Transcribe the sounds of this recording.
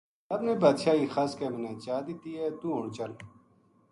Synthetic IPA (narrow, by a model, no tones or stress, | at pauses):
səbnẽːbaːd̪ʃaːiːxaːskeːmənẽːt͡ʃaːd̪ɪt̪iːɦɛːt̪uːɦʊɳt͡ʃəl